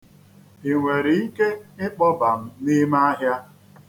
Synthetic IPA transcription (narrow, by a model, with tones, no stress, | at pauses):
i˨ŋʷe˨ɾi˨˦ke˦ɪ˦k͡pɔ˦ba˨m̩˦ni˦ma˦ɦja˦